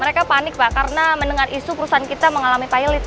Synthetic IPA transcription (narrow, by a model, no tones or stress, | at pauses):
əɾekapanɪk̚bakaɾənamənəŋarʔisupəɾusaankit̪aməŋalamipailit̪̚